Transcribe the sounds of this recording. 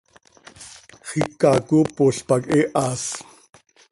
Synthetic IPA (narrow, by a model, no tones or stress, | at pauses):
χikːakupoɬpakʼeʔas